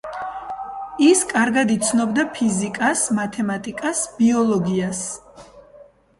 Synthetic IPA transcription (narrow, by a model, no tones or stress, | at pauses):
iskʼaɾɡad̪it̪sʰnɔbd̪apʰizikʼasmat̪ʰɛmat̪ʼikʼasb̥iɔlˠɔɡias